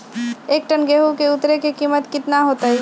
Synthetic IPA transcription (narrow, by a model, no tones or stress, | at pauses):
eːk̚ʈənɡeːɦukeʊt̪ɾekekiːmət̪kɪt̪naɦoːt̪aɦɛ